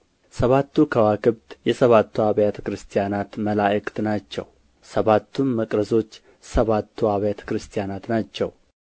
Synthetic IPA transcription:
səβat̪ːukʰəwakɨβd̪jɛsəβat̪ʰːuaβjat̪ʰə̥kɾɨst̪ʰijanat̪məlaʔɨkʼt̪nat͡ʃːɛ̰w | səβat̪ʰːunməkʼɾəzo̞t͡ʃː | səβat̪ʰːuaβjet̪ʰə̥kɾɨst̪ʰijanat̪nat͡ʃːɛ̰w

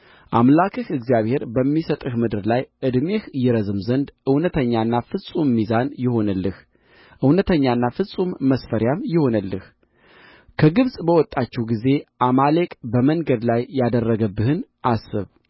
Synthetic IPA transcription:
ʔamlakʰɨhɨɡzijaβhe̞ɾbəmːisət̪ʼɨhmɨd̪ɨɾlajʔɨd̪me̞hjɛɾəzɨmzənd̪ʔɨwnət̪ʰəɲːanːafɨsʼumːizanjɪho̞nəlːɨh | ʔɨwnət̪ʰəɲːanːafɨsʼumːəsfəɾjamjɪho̞nəlːɨ̰h | kʰəɡɨβsʼbəwɔt̪ʼːat͡ʃːɛwɡize̞ʔamalekʼbəməŋɡəd̪lajːad̪ərːəɡəbːɨhɨnʔasːɨ̰β

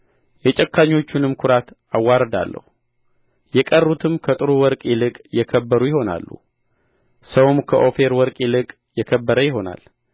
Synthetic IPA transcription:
jɛt͡ʃʼɛkːaɲːo̞t͡ʃːunɨmkʰʊɾat̪ | awːaɾəd̪a̰lːə̰hu | jɛkʼərːut̪ʰɨmkʰət̪ʼɨɾuwɔɾkʼilɨkʼjɛkʰəbːəɾujɪho̞na̰lːṵ | səwmkʰəʔo̞fe̞ɾwɔɾkʼilɨkʼ | jɛkʰəbːəɾəjɪɦo̞na̰l

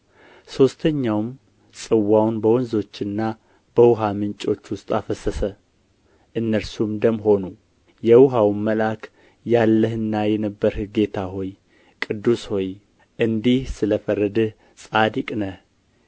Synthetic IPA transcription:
so̞st̪ʰəɲːawm | sʼɨwːawnbəwɔnzo̞t͡ʃːɨnːa | b̥əwʊɦamɨnt͡ʃʼo̞t͡ʃːwʊst̪ʼafəsəsə | ʔɨnːəɾsumd̪əmɦo̞nu | jɛwʊɦawmːəlak | jalːəhɨnːajɛnəbːəɾhɡe̞t̪ʰaɦo̞j | kʼɨd̪ːusho̞j | ʔɨnd̪ihsɨləfərːəd̪ɨh | sʼad̪ikʼnəh

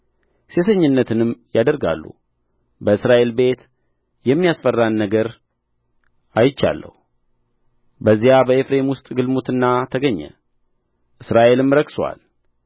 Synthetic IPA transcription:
se̞sʰəɲːɨnːət̪ʰɨnɨmjad̪əɾɡa̰lːṵ | bəɨsɾaʔe̞lbe̞t̪ | jɛmːijasfərːanːəɡəɾ | ajɪt͡ʃːa̰lːə̰h | bəzːijabəefɾe̞mwʊst̪ʼɡɨlmut̪ɨnːat̪ʰəɡəɲːə̰ | ʔɨsɾaʔe̞lɨmɾəkswa̰l

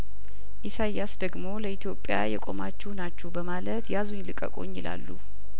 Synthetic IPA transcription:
ʔisajasd̪əɡmo̞ləʔit̪ʰjopʼːja̰jɛ̰kʼo̞mat͡ʃːɛhnat͡ʃːɛwbəmalət̪jazuɲːlɨkʼə̰kʼo̞̰ɲːɪla̰lːṵ

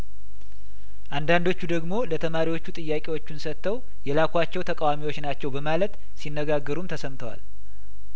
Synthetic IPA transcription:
ʔand̪and̪o̞t͡ʃːud̪əɡmo̞lət̪ʰəmaɾiwo̞t͡ʃːut̪ʼɨjːakʼewo̞t͡ʃːunsət̪ʰːəw | jɛlakʰʷat͡ʃːɛwt̪ʰəkʼawamiwo̞t͡ʃːnat͡ʃːɛwbəmalət̪ | sinːəɡaɡːəɾumt̪ʰəsəmt̪ʰəwa̰l

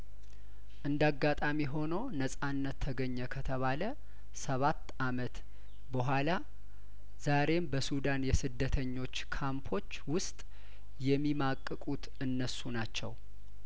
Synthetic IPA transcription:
ʔɨnd̪aɡːat̪ʼamiɦo̞nownəsʼanːət̪ʰːəɡəɲːəkʰət̪ʰəβalə | səβat̪ːamət̪ | bəɦʷala | z̥aɾe̞mbəsud̪anjɛsɨd̪ːət̪ʰəɲːo̞t͡ʃːkʰampʰo̞t͡ʃːwʊst̪ʼ | jɛmːimakʼːɨkʼut̪ | ɨnːəsunat͡ʃːɛw

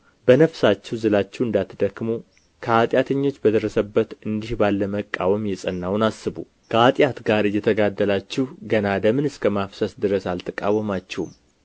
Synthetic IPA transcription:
bənəfsat͡ʃːɛwzɨlat͡ʃːɛwɨnd̪at̪ʰːd̪əkːmu | kʰəat̪ʼjat̪ʰəɲːo̞t͡ʃːbəd̪əɾəsəbːət̪ɨnd̪ihbalːəməkʼːawəmjɛsʼənːawnasːɨbṵ | kʰəat̪ʼjat̪ɡaɾɨjːɛt̪ʰəɡad̪ːəlat͡ʃːɛhɡənad̪əmɨnɨskʰəmafsəsd̪ɨɾəsalt̪ʰəkʼawəmat͡ʃːɛhṵm

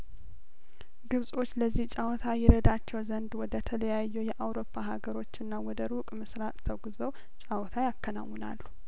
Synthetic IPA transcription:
ɡɨβsʼo̞t͡ʃːləzːiht͡ʃʼawɔt̪ʰajɛɾəd̪at͡ʃːɛwzənd̪wɔd̪ət̪ʰələjajːɛjɛʔawɾo̞pʰːaɦaɡəɾo̞t͡ʃːɨnːawɔd̪əɾukʼmɨsɾat̪ʼt̪ʰəɡzəw | t͡ʃʼawɔt̪ʰajakːəna̰wːɔna̰lːu

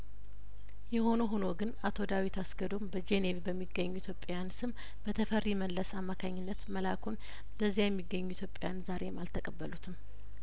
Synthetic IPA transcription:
jɛho̞no̞ɦono̞ɡɨnat̪ʰo̞d̪awit̪ʰasɡəd̪o̞mbəd͡ʒenevbəmːiɡːəɲːuit̪ʰjo̞pʼːajansɨm | b̥ət̪ʰəfərːiməlləsamːakʰaɲːɪnːət̪məlakʰon | bəzːijajɛmːiɡːəɲːuit̪ʰjo̞pʼejanzaɾe̞malt̪ʰəkʼəbːəlut̪ʰɨm

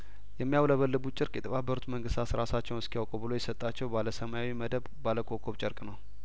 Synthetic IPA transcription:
jɛmːijawləβəlːɨbut͡ʃʼɪɾkʼjɛt̪ʰəβabːəɾut̪məŋɡɨst̪ʰat̪sɾasat͡ʃːɛwnɨskijawkʼubɨlojɛsət̪ʼːat͡ʃːɛwbaləsəmajawiməd̪əβbaləkʰokʰoβt͡ʃʼəɾkʼnəw

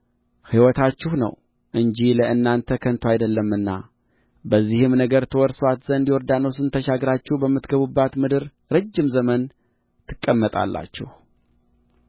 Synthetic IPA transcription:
hiwɔt̪ʰat͡ʃːɪhnə̰w | ʔɨɲd͡ʒiləʔɨnːant̪ʰəkʰənt̪ʰoajd̪əlːəmɨnːa | bəzːihɨmnəɡəɾt̪ʰəwɔɾswat̪zənd̪iwɔɾd̪anəwsɨnt̪ʰəʃaɡɾat͡ʃːɪhbəmːɨt̪ɡəβubːat̪mɨd̪ɨɾ | ɾɨd͡ʒːɪmzəmən | t̪ʰɨ̥kʼːəmːət̪ʼa̰lːa̰t͡ʃːɪ̰h

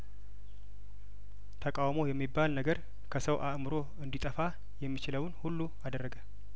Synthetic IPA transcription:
t̪ʰəkʼawmo̞jɛmːibːalnəɡəɾ | kʰəsəwʔaʔmɨɾo̞ | ɨnd̪it̪ʼəfa | jɛmːit͡ʃɪləwnhulːu | ad̪ərːəɡə

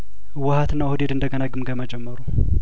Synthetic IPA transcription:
wəhat̪ɨnːawhɨd̪ed̪ɨnd̪əɡənaɡɨmɡəməd͡ʒɛmːəɾu

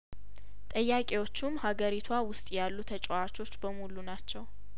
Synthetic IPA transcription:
t̪ʼəjːakʼewo̞t͡ʃːumhaɡəɾit̪ʰwawʊst̪ʼjalːut̪ʰət͡ʃʼoat͡ʃʼo̞t͡ʃːbəmulunat͡ʃːɛw

